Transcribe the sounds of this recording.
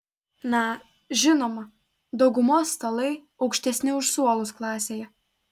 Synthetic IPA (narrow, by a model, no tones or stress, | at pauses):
nɐ | ʒʲɪnoːmɐ | d̪ɒʊɡʊmoːsːt̪ɐlˠɐɪ | ɒʊkʃʲt̪ʲɛsʲnʲɪʊʃsuɔlˠʊsklˠɑːsʲeːjɛ